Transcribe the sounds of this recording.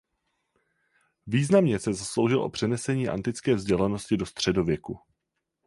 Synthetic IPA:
viːznamɲɛsɛzaslo̞wʒɪlʔo̞pr̥ɛnɛsɛɲiːʔa̰nt̪ɪt͡skɛːvzɟɛlɛno̞scɪdo̞st̪r̝̥ɛdo̞vjɛku

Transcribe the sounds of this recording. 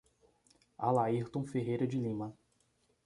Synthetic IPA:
a̰laiɾt̪õfeɦejɾɐd͡ʒɪlĩmɐ

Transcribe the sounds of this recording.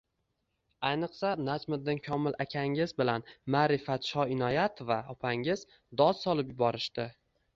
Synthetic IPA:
ajnɨqsanad͡ʒmɪd̪d̪ɪŋkʲʰɒmɪlakʲʰaŋɪzbɪlanmaːɾɪfat̪ʃɒɪnɒjat̪vaɒpʰaŋɪz̥ | d̪ɒzsɒlˠɪpjʊbɒɾɪʃt̪ɪ

